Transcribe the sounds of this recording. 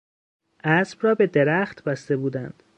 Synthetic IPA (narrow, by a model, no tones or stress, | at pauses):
ʔæsb̥rɒːbe̞d̪eɾæχt̪bæst̪e̞buːd̪ænd̪̥